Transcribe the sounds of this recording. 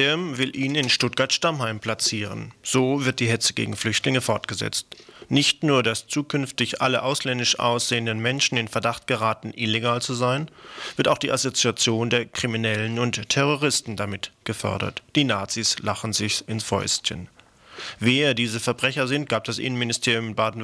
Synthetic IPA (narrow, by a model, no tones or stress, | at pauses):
ɪmvɪlʔiːnɪnʃtʊt̚ɡ̥aɐtʃtamhaɪmpʰl̥at͡siːʁ̞ə̰nz̥oːvɪɐt̚d̥iːɦɛt͡səɡḛːɡŋ̩flʏçtlɪŋəfɔɐtɡ̥əzɛ̰t͡stnɪçtnuːɐdast͡suːkʰʏnftɪçʔa̰ləʔaʊslɛndɪʃʔa̰ʊsz̥eːəndənmɛnʃn̩ɪnfɛɐdaχtɡ̥əʁaːtn̩ʔɪleɡaːlt͡suzaɪnv̥ɪɐtaʊχd̥iːʔazot͡siat͡sjoːndeːɐkʁ̥iminɛlənʊnttʰɛʁoʁ̞ɪstn̩damɪtɡ̥əfɔ̰ɐdɐ̰td̥iːnaːt͡siːslaχn̩zɪçɪnsfɔ̰ʏstçə̰n | veːɐdiːzəfɛɐbʁɛçɐzɪnt̚ɡ̥aːp̚d̥asʔɪ̰nənmɪnɪstʰeːʁjʊmbaːdn̩